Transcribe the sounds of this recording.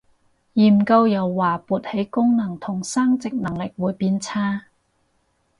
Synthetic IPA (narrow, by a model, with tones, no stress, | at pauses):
jiː˨˩m̩˨kɐ˧wjɐ˨˩wːaː˨˩puː˨˩t̚he˨˥jkʊ˥ŋnɐ˨˩ŋt̪ʰʊ˨˩ŋsaː˥ŋt͡sɪ˨k̚nɐ˨˩ŋlɪ˨k̚wuː˨˥jpiː˧nt͡sʰaː˥